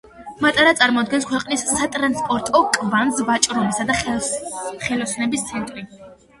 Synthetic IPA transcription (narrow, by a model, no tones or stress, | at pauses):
mat̪ʼaɾat̪sʼaɾmɔd̪ɡɛnskʰwɛqʼnisːat̪ʼɾanspʼɔɾt̪ʼɔkʼvanzbat͡ʃʼɾɔbisad̪a | χɛlɔsnɛbist̪sʰɛnt̪ʼɾi